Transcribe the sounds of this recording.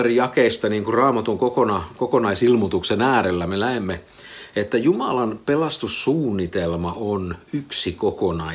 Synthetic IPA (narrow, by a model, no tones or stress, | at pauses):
erijɑkeist̪ɑniːŋkurrɑːmɑt̪uŋkokonɑkokonɑisilmut̪uksenæːɾelːæmelæemːe | et̪ːæjumɑlɑnpelɑst̪usːuːnːit̪elmɑonyksikokonɑ